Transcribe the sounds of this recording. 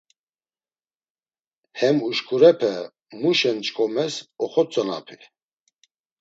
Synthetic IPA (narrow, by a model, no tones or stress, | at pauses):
hɛmuʃkʰʼuɾɛpʰɛ | muʃɛnt͡ʃʰʼkʼɔmɛsɔχɔt͡sʼəna̰pʰi